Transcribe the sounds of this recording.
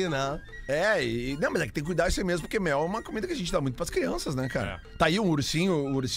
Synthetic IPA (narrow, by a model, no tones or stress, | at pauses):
nɛ̃ɛɪːnɐ̃w̃mɐzɛkɪt̪ẽkujd̪aɾisʊɐimezmʊpoɾkemɛwɛũmɐkomid̪ɐkɪɐʒẽnt͡ʃɪd̪amũj̃t̪ʊpɾɐskɾiɐ̃sɐznɛka̰ɾɐ̰t̪aiũuɾsĩɲʊũuɾs